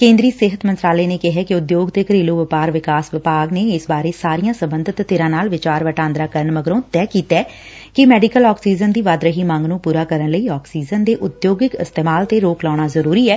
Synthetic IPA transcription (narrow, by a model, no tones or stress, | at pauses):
kẽːnd̪ɾiːsɪɦət̪mə̃nt̪ɾaːleːneːkɪɦɛːkɪʊd̪joːɡt̪eːkəɾiːloːʋɪpaːɾʋɪkaːsʋɪpaːɡneːɪsbaːɾeːsaːɾijãːsəmbənd̪ʱət̪ːeːɾãːnaːlʋɪt͡ʃaːɾʋəʈãːnd̪ɾaːkəɾəɳməɡɾõːt̪ɛːkiːt̪ɛː | kɪmɛːɖɪkəlɔːksiːzənd̪iːʋaːd̪ɾəɦiːmãːŋɡnũːpuːɾaːkəɾəɳləiːɔːksiːzənd̪eːʔʊd̪joːɡɪkɪst̪eːmaːlt̪eːɾoːklɔːɽaːzəɾuːɾiːɛː